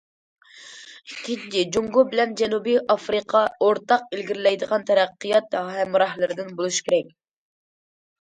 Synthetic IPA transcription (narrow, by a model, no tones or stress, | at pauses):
ikʲʰːiit͡ʃʰid͡ʒuŋɡubɪlɛnd͡ʒɛnubijʔɑfɾɨqʰɑoɾt̪ɑq̚elɡʲiɾɪlɛjd̪əʁɑnt̪ʰɛɾɛqːɨjɑt̪ɦɛmɾɑhlˠɨɾɨd̪ɪnbolˠuʃkʲʰeɾɛk̚ʲ